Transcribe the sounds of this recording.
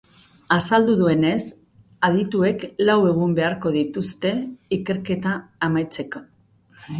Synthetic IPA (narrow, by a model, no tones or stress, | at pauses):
asald̪uðue̞ne̞s | aðit̪ue̞klawe̞ɣ̞umbe̞aɾko̞ðit̪ust̪e̞ike̞ɾke̞t̪aːmajt͡se̞ko̞̥